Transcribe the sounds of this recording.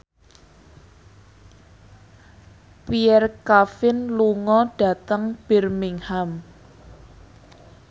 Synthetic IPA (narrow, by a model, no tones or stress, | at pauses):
piɛrkafɪnluŋɔɖ̥a̤t̪əŋb̥ɪ̤rmiŋham